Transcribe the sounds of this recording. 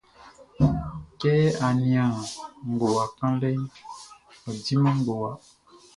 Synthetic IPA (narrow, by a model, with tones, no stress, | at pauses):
kɛ˦a˨nĩ˨ã˨ŋ̩˨ɡo˨wa˨kã˦lɛ˦ | ɔ˨di˦mã˦ŋ˦ɡo˨wa˨